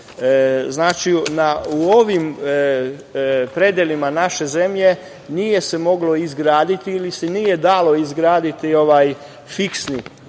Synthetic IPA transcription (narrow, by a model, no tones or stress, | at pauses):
znaːt͡ʃinauoʋim | pɾe̞d̪jelimanaʃe̞ze̞mʎe̞ | nije̞se̞mo̞ɡlo̞izɡɾaːd̪it̪iilisenije̞d̪aːlo̞izɡɾaːd̪it̪io̞ʋaːj | fiksni